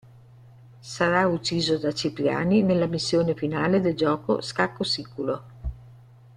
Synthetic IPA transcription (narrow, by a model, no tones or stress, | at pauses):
saɾaut͡ʃːiːzod̪at͡ʃiplja̰ːninelːamisːjoːnefinaːled̪eld͡ʒɔːko̰skakːosikulo